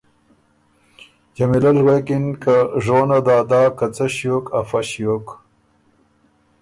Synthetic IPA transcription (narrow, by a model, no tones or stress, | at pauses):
d͡ʑamilalwekinkaʐoːnad̪aːd̪aːkat͡saɕjokafaɕjok